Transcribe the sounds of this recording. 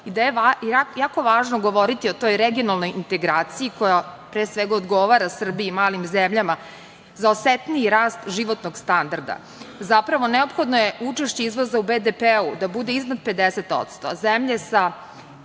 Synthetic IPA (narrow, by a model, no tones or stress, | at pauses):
id̪ajeaajaːkoʋaːʒnoɡo̞ʋo̞ɾit̪iot̪o̞jɾeɡio̞nalˠnojint̪e̞ɡɾaːt̪siiko̞japɾeːsʋeɡaod̪ɡo̞ʋaɾasr̩biimaːlimzemʎama | zaoset̪niiɾaːst̪ʒiʋo̞t̪noɡst̪and̪aɾd̪a̰ | zapɾaʋo̞neopxo̞d̪nojeut͡ʃeʃt͡ɕeizʋozaubed̪epeud̪abud̪eiznad̪̚pe̞d̪eset̪o̰t̪st̪o̰zemʎe̞sa